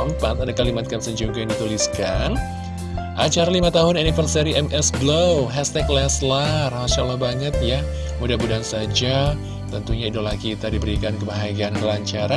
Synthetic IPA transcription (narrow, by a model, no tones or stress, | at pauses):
əmpat̪adakalimat̪̚kapsəɲd͡ʒuɡajaŋdit̪uliskan | ʔat͡ʃaɾalimat̪aɦʊnanifərsiaɾiʔɛmʔɛsɡlowɦɛst̪ɛklɛslarmasalahbaŋət̪ja | mudabudansad͡ʒa | t̪ənt̪uɲaidolahkit̪adibəɾikankəmaɦaɡiankəlaɲt͡ʃaɾa